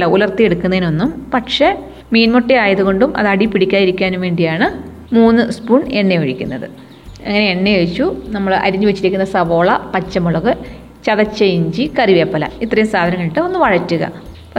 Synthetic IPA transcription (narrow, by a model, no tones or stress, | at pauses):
lɐulɐrt̪ːieɽukːunːɐðino̞nːumpɐʈʂe̞ | miːnmoʈːiaːjɐðuɣo̞ɳɖumʔɐ̰ðɐɽipiɽikʲːaːjiɾikʲːaːnumʋe̞ːɳɖijaːɳɨ | muːnːɨspuːɳenːeɐɻikʲːunːɐðɨ | ɐ̰ŋːɐne̞eɳːeeɻit͡ɕːunɐmːɐɭʔɐ̰ɾiɲːuʋet͡ɕːiɾikʲːunːɐsɐʋo̞ːɭɐpɐt͡ɕːɐmuɭɐɣɨ | t͡ɕɐðɐt͡ɕːɐjɲd͡ʑikɐriʋeːpːɐlɐ̰it̪ːrɐjumsaːd̪ʱɐnɐŋːɐɭiʈːɨo̞nːɨʋɐɻɐtːuɣɐ̰ | p